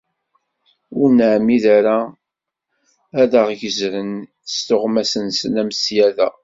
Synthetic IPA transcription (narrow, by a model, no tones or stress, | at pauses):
ʊɾnʕmiðæɾa | æðəʁʝəzɾən | st̪ʊʁmæsənsənæməsjæðæ̰